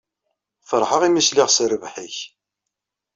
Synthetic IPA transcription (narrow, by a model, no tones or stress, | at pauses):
fəɾˤħəʁimislɪʁsɾəvħiç